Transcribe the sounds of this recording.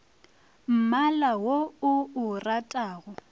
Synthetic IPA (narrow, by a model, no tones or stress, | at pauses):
m̩malawoʊʊratʼaːɣɔ